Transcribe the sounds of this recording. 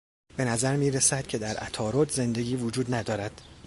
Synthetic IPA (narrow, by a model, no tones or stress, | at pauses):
b̥e̞næzæɾmiːɾesæd̪̥cʰe̞d̪æɾʔæ̰t̪ʰɒːɾod̪ze̞nd̪e̞ɡʲiːvod͡ʒuːd̪næd̪ɒːɾæd̪̥